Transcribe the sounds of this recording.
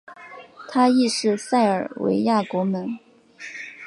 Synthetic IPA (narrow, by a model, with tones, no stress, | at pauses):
t̪ʰa˥i˥˧ʂɻ̩˥˧sa˥˩ɪə˞˨˩wḛ˧˥ɪja˥˩kwɔ˧˥mə˧˥n